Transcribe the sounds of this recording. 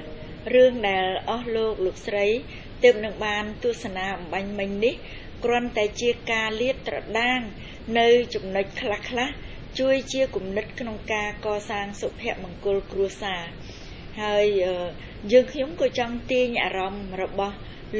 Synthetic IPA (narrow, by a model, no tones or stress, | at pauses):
rɨəŋɗaɛlʔɑhloːk̚loːk̚srəj | t̪əːp̚nɨŋɓaːnt̪ʊəhsanaːɓɑmɓaɲmɨɲnih | krŏənt̪aɛt͡ɕiəkaːliət̪̚ːrɑ̰ɗaːŋ | nɨwt͡ɕɑmnoc̚kʰlahkʰlah | t͡ɕuəjt͡ɕiəkumnɨt̪̚kʰnoŋkaːkɑːsaːŋsopʰɛ̆əʔmɑŋkʊ̆lkruəhsaː | haəjʔəː | jəːŋkʰɲomkɑːt͡ɕɑŋt̪iəɲʔa̰ːɾɑmrɔɓɑh | l